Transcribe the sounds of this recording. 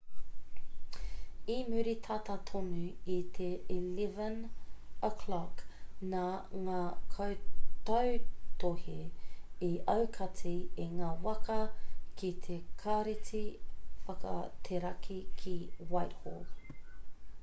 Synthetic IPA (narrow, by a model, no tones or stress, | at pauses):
imʉɾit̪ʰat̪at̪ʰonʉit̪ʰeilɛvɐnəkʰlɔknaŋaːkʰowt̪ɐwt̪ʰoheiʔɐwkʰɐtieŋaːwɐkɐkit̪ʰekʰaɾit͡sifɐkɐ̰t̪ʰeɾɐkʰikʰiwajtho̰l